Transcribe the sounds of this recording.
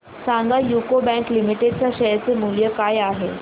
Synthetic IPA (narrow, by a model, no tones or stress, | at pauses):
saŋɡajukobɛ̃ŋklimiʈeɖ̚t͡ɕaɕəjt͡semuljəkajaɦe